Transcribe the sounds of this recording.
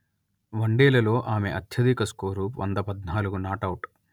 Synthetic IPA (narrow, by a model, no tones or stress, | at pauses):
ʋɐɳɖeːlɐlo̞ːʔaːme̞ʔɐt̪ʰjɐd̪ikɐskoːɾuːpʋɐ̰nd̪ɐpɐd̪naːluɡunaːʈɐwʈ